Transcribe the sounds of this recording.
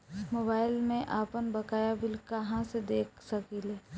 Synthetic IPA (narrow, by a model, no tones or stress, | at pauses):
moːbaːɪlmẽʔaːpənbɐkaːjabɪlkɐɦãsed̪eːkʰsɐkilɛː